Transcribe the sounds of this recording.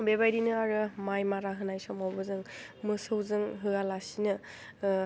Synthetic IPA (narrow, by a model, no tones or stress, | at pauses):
bebajɾinɯaɾɯmajmaɾaɦɯnajsɔmɔwbɯzɯŋ | mɯsɯwzɯŋɦɯɡalasinɯ